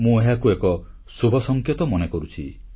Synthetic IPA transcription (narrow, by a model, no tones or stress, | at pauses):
mũeɦakuekɔ | subʱɔsɔŋkʰjet̪ɔmɔnekɔɾut͡ʃʰḭ